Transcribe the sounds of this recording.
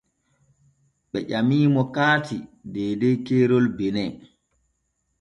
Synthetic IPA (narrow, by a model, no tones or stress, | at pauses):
ɓɛ̰ʄamiːmɔkaːtidɛːdɛjkɛːɾɔlbɛnɛ